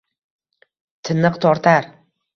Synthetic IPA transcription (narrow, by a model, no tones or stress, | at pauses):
t̪ʰɪnɨqt̪ʰɒɾt̪ʰaɾ